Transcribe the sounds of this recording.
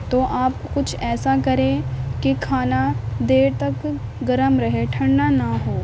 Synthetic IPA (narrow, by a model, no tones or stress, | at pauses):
t̪oːʔaːpkʊt͡ʃʰɛːsakɐɾẽkikʰaːnad̪eːɾt̪ɐkɡɐɾəmɾɐɦeʈʰɐ̃ɳːanaɦoː